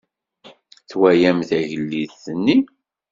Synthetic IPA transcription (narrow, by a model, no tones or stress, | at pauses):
θwæjæmθæʝəlːiðθənːi